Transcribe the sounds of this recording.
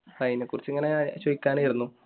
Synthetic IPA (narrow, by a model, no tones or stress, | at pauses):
kɐjnekːurit͡ɕːɨiŋːɐne̞t͡ɕojikʲːaːnejiɾunːu